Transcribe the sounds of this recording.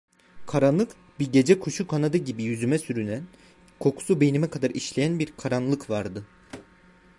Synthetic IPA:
kʰaɾanlˠɯk | biɟe̞d͡ʒɛkʰuʃukʰanad̪ɯɟibijyzymɛsyɾynæn | kʰo̞kʰu̥sube̞jinimɛkʰad̪aɾiʃlʲejænbiɾkʰaɾanlˠɯkvaɾd̪ɯ

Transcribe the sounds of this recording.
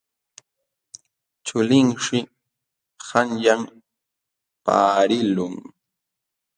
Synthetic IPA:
t͡ʃʊlɪŋʃɪ | haŋjam | pa̰ːɾɪlʊŋ

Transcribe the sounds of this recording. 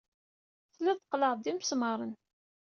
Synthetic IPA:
θlæðqləʁd̪imsmɑɾˤən

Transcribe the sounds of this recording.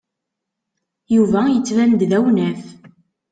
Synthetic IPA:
juvæjət͡sːvænd̪ðæwnæθ

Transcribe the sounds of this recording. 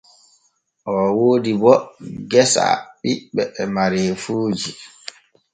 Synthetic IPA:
ʔɔwoːdibɔɡɛsa̰ɓiɓɛːmaɾeːfuːd͡ʒi

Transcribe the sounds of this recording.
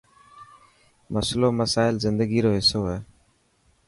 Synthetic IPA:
məsloːməsaːɪlzɪnd̪əɡiːɾoːɦɪsoːɦɛː

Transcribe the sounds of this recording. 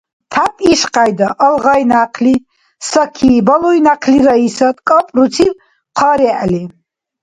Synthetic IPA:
t̪ʰapʼiʃqʼajd̪aʔəlʁajnaqʰli | sakʰiːbalɔinaqʰliɾaisat̪kʼapʼɾut͡sʰil | qʰaɾɛʔli

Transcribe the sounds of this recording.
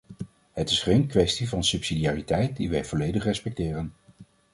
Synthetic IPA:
ɦətɪsχejnkʋɛstivɑnsypsidijaːritɛjt̚diʋɛjv̥ɔlejdəχrɛspɛk̚tɪːrən

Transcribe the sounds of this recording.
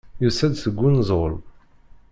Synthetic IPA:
jusæd̪θəɡʷːunzˤʊ̰ɾ

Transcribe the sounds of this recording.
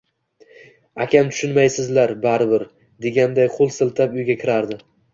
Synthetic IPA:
akʲʰamt̪ʰʊ̥ʃʊnmajsɪzlaɾbaɾɪbɪɾ | d̪e̞ɡʲand̪ajqʰʊlˠsɪlˠt̪ʰapʊjɡʲakʲʰɪɾaɾd̪ɪ

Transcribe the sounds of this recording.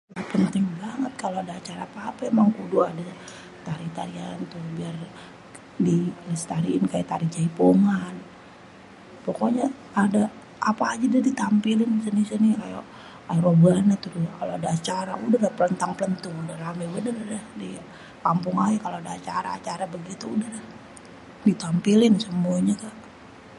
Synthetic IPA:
ɡapənt̪ɪŋbaŋət̪̚kaloadaːt͡ʃaɾapaːpaemaŋkuduada | t̪aɾit̪aɾia̰nt̪ubiar | dilast̪aɾiɪnkajat̪aɾid͡ʒaipoŋan | pokoɲaː | da | apaːd͡ʒadadit̪ampilɪnisinisinikaja̰ | ajaɾobəanat̪uɾkaloadaːt͡ʃaɾaudahɡapələnt̪aŋpələnt̪ʊŋudaɾamibənəradahdi | kampʊŋajakaloadaːt͡ʃaɾa̰ːt͡ʃaɾabəɡit̪uːdahlah | dit̪ampilɪnsəmuaɲakaʔ

